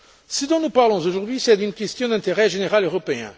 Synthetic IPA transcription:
səd̪ɔ̃nupaʁlɔ̃zoʒuʁd̪ɥisɛd̪ynkʲɛst̪jɔ̃d̪ɛ̃t̪eʁɛʒeneʁaløʁɔpeɛ̰̃

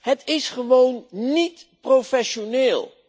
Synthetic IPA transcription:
ɦətɪsχəʋownːitprofɛʃonɪːlˠ

